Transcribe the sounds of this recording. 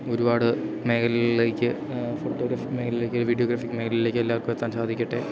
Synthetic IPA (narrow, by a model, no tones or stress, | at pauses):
o̞ɾubaːɽɨme̞kɐlile̞ːkʲːɨ | foʈːoːɡɾaːfi̥kːme̞ːkɐlile̞ːkːoʋiɖijo̞ːɡɾaːfikːɨme̞kɐlilile̞ːkʲːelːaːɐrkːumet̪ːaːnsaːd̪ʱikʲːiʈːe